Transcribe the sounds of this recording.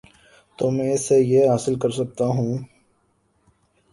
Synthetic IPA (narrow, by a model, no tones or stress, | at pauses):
t̪omɛ̃ːsejeɦaːsɪlkɐɾsɐk̚t̪aɦũː